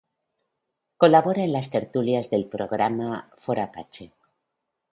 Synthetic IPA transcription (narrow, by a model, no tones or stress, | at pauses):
ko̞laβoɾaenlast̪e̞ɾt̪uljazðe̞lpɾo̞ɣ̞ɾamafoɾapat͡ʃe